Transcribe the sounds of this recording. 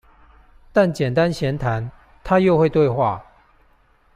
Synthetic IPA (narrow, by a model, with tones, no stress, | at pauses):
t̪a˥˨nt͡ɕjɛ˨˩nt̪a˦nɕjɛ˧˥nt̪ʰa˧˦n | t̪ʰa˦jo˥˧ʊxwe˥˧ɪt̪we˥˧ɪxwa˥˨˩